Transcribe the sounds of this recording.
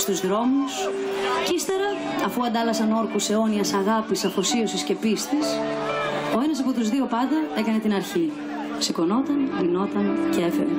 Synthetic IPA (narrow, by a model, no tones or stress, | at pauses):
st̪uzðɾo̞mus | cist̪e̞ɾɐ | ɐfuɐnd̪ɐlɐsɐno̞ɾkuse̞o̞niɐsɐɣɐpisɐfosio̞sisce̞pist̪is | o̞e̞nɐs̬ɐpot̪uzðio̞pɐnd̪ɐe̞kɐne̞t̪inɐɾçi | siko̞no̞t̪ɐnino̞t̪ɐnceefeɾe